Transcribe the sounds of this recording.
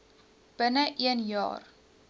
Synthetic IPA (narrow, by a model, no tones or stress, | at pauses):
b̥ənəʔiənjɑ̰ːr